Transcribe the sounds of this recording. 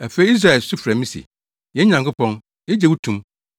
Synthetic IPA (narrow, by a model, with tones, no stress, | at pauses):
æ˨fe˦i˦i˦s̬ɾa˦˨ɛ˨lsʊ˦fɾæ˨mĩ˦sḭ˨ | jɛ˨˦ɲã˨ŋkʰʊ˦pɔ̃˦n | jɛ˦d͡ʑɛ˨wu˦tʰũ˨m